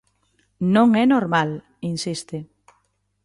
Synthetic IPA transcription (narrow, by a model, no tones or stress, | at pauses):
nõŋɛnoɾmal | insist̪e